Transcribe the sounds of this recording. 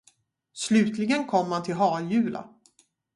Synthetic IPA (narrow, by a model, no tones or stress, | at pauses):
slʉ̟ːt̪lɪɡənkʰɔmːant̪ʰɪlɦɑːjʉ̟ːlʔa̰